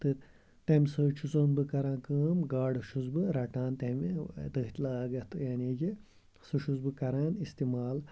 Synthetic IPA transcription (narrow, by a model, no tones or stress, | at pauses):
t̪ɨ | t̪ɐmʲsəːt͡ʃʰut͡soːnbɨkɐɾãːnkəːmɡaːɖɨʃuzbɨɾɐʈãːnt̪ɐmd̪ɨɦt̪laːɡɐt̪ɨjaːniɡi | suʃuzbɨkɐɾaːnist̪imaːl